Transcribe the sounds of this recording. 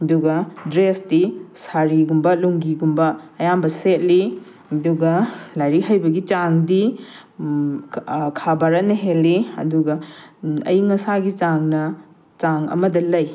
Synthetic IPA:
ɐduɡɐdɾesdisaɾiɡumbɐluŋɡiɡumbɐːjambɐset̚li | ɐduɡɐlajɾikɦajbɐɡit͡ʃaŋdi | kʰabaɾɐnɐɦelːiɐ̰duɡɐ | ɐ̰jŋɐsaɡit͡ʃaŋnɐ | t͡ʃaŋɐ̰mɐdɐlɐj

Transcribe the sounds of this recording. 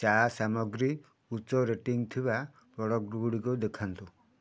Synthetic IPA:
t͡ʃasamɔɡɾi | ut͡ʃɔɾeʈiŋt̪ʰiba | pɔɽɔkɾuɽikɔd̪ekʰant̪u

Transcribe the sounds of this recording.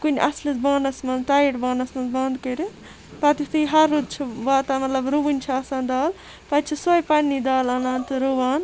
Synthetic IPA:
kunʲʔɐslit͡sbaːnɐsmɐnzʈaːiʈbaːnɐsmɐnzbɐnd̪kɐɾʲi | pɐt̪it̪ɨjɦɐɾːud̪t͡ʃʰibaːt̪amɐt̪lɐbɾubunʲt͡ʃʰɐɐsãːnd̪aːl | pɐt͡ʃʰisɐjpɐnːid̪aːlɐnaːnt̪ɨɾuʋaːn

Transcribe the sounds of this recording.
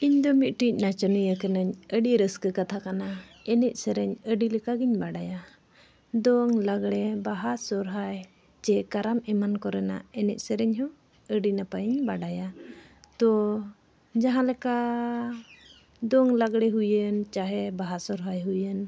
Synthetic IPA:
iɲd̪ɔmit̪̚ʈic̚ˀnat͡ʃɔnəjəkənəɲəɖiɾəskəkat̪ʰakana | ɛnɛc̚ˀsəɾɛɲəɖilɛkaɡiɲbaɖaja | d̪ɔŋlaɡɽɛbaɦasɔɾɦaj | t͡ʃɛkaɾamɛmankɔɾɛna̰ɛnɛʔ̚ˀsəɾɛɲɦɔ | əɖinapaiɲbaɖaja | t̪ɔ | d͡ʒaɦãlɛka | d̪ɔŋlaɡɽɛɦujənt͡ʃaɦɛbaɦasɔɾɦajɦujən

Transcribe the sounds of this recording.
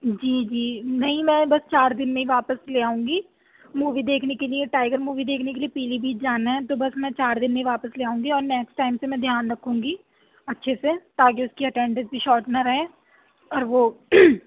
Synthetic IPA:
d͡ʒiːd͡ʒiːnɐɦĩmɛ̃ːbɐst͡ʃaːɾd̪ɪnmẽɦĩʋaːpəsleːaːũːŋɡiː | muːʋid̪eːkʰnekelijeʈaːɪɡəɾmuːʋid̪eːkʰnek̬eliepiːlibʱiːt͡ʃd͡ʒaːnaɦɛ̃t̪obɐsmɛ̃ːt͡ʃaːɾd̪ɪnmẽɦĩʋaːpəsleːaːũːŋɡiɔːɾnɛːksʈaːɪmsemɛ̃d̪ʱjaːnɾɐkʰːũːŋ̆ɡi | ɐtːʃʰeset̪aːkeʊskiɐʈɛ̃ːɳɖə̃nsbʱiʃɔːʈnaɾɐɦẽː | ɔːɾʋoː

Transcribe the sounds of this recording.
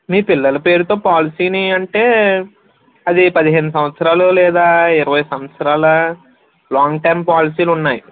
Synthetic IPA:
miːpilːɐlɐpe̞ːɾut̪o̞ːpaːlisiːniɐɳʈe̞ː | ɐd̪ipɐd̪iɦeːnusɐmʋɐt̪sɐɾaːlulɛːd̪aːiɾɐʋɐjsɐmɐt̪sɐɾaːlɐ | laːŋɡʈɐjmpaːlisiːlunːaːji

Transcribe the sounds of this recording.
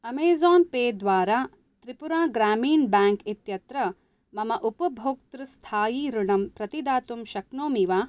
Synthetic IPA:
ɐmeːzaːnpeːd̪ʋaːɾaː | t̪ɾipuɾaːɡɾaːmiːnbaːŋkit̪jɐt̪ɾɐ | mɐmɐʔupɐbʱoːk̚t̪ɾust̪ʰaːjiːɾuɳɐmpɾɐt̪id̪aːt̪umʃɐknoːmiʋaː

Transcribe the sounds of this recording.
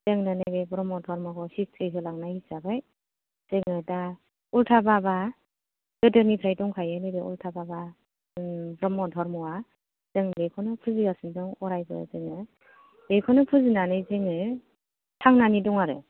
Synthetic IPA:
z̥ɯŋnɯnajbebɾɔmɔdʰʱɔɾmakʰɔsistɾiɦʰɯlaŋnajhizabaj | z̥ɯŋɯda | ultʰababa | ɡ̥ɯdɯnipʰɾajdɔŋkʰajɯnɯbeṵltʰababa | bɾɔmɔdʰʱɔɾmɔwa | z̥ɯŋlekʰɔnɯpʰɯziɡasɯnzɯŋɔɾajbɯ̰zɯŋɯ | dekʰɔnɯpʰɯzɯnanɯjzɯŋɯ | tʰaŋnanidɔŋaɾɯ̰

